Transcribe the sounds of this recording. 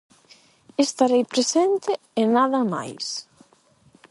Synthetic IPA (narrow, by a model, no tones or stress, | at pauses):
est̪aɾejpɾesent̪ɪ | enaðɐma̰js